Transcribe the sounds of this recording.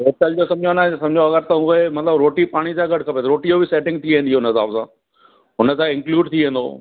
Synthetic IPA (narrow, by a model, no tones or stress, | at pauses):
et͡ɕəld͡ʑosɐ̃md͡ʑʱonãsɐmd͡ʑʱoɐɡəɾt̪ɐʊɦemɐt̪ləbɾoːʈipaːɽ̃isãːɡɐʈʰkʰɐpet̪ɐɾoːʈijobɪseːʈɪ̃ŋɡt̪ʰiʋẽːnd̪ioʊnəɪsaːbsãː | ɦʊnə̆t̪ãɪ̃ŋkluːɖt̪ʰiʋẽːn̆d̪o̰